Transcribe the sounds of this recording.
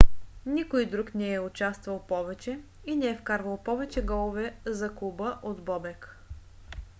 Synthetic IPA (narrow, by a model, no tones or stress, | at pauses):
nikojd̪ɾuknɛɛʊt͡ʃast̪vɐlˠpɔvɛt͡ʃɛ | inɛɛfkaɾvəlˠpɔvɛt͡ʃɛɡɔlˠovɛzɐkubəʔod̪bɔbɛk